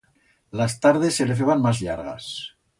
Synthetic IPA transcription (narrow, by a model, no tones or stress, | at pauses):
last̪aɾð̞e̞sːelefθ̬eβanmazʎaɾɣa̰s